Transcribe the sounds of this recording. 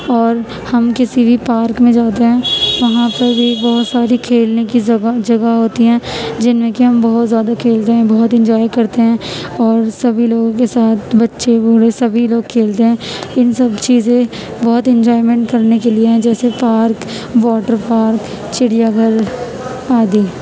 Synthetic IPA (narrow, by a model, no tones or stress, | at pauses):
ɔːɾ | hɐmkɪsibʱipaːɾkmẽd͡ʒaːt̪̬eɦɛ̃ːʋɐɦãpɐɾbʱibɔɦʊt̪saːɾikʰeːlnekid͡ʒɐɡad͡ʒɐɡaɦoːt̪iɦɛ̃ːd͡ʒɪnmẽkiɦɐmbɐɦʊt̪zjaːd̪akʰeːlt̪eɦɛ̃bɔɦʊt̪ɛ̃nd͡ʒɔːjkɐɾt̪eɦɛ̃ːɔːɾsɐbʱiloːɡõk̬esaːt̪̚ʰbɐtːʃebʱuɽesɐbʱiloːɡ̚kʰeːlt̪eɦɛ̃ːɪnsɐbt͡ʃiːzẽ | bɔɦʊt̪ɛ̃nd͡ʒɔːɪmɛ̃ɳʈkɐɾnek̬elieɦɛ̃d͡ʒɛːsepaːɾk | ʋɔːʈəɾpaːɾk | t͡ʃɪɽijaɡʱəɾ | aːd̪iː